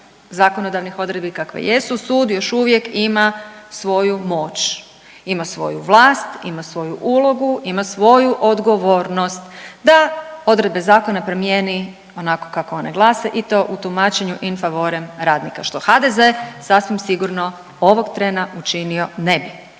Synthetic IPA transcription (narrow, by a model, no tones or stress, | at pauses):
zakonod̪aʋnixo̞d̪ɾe̞d̪̚bikakʋḛjesusuːd̪jo̞ʃuʋje̞kimasʋo̞jumo̞ːt͡ʃ | imasʋo̞̰juʋlˠaːst̪imasʋo̞juʔulˠo̞ɡuimasʋo̞juʔod̪ɡo̞ʋoːɾnost̪d̪ao̞d̪ɾe̞d̪̚be̞zaːko̞napɾomjeni | o̞nako̞̥kakooneɡlˠaseʔit̪o̞ʔut̪umat͡ʃe̞ɲuʔinfaʋo̞ɾemɾaːd̪nikaʃt̪o̞xad̪eze̞sasʋimsiɡuɾno | o̞ʋo̞ɡt̪ɾenaut͡ʃinio̞ne̞bi